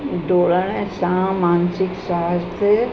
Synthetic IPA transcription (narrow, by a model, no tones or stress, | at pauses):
ɖoːlənɛsãːmaːnsɪksaːst̪ʰe